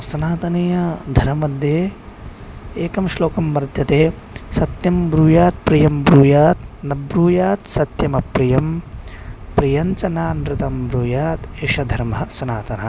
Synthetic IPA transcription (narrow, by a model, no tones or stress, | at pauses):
sɐnaːt̪ɐnejɐd̪ʱɐɾɐmɐd̪ʱjeː | eːkɐmʃloːkɐmʋɐɾd̪ʱjɐt̪eː | sɐt̪jɐmbɾuːjaːt̪̚pɾijɐmbɾuːjaːt̪nɐbɾuːjaːt̪sɐt̪jɐmɐpɾijɐm | pɾijɐnt͡ʃɐnaːnɾɪt̪ɐmbɾuːjaːt̪eːʃɐd̪ʱɐɾmɐ̆sɐnaːt̪ɐnɐ